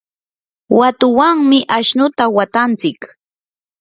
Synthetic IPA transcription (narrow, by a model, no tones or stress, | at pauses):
wat̪ʊwaŋmɪʔaʃnʊt̪awat̪ant͡sɪk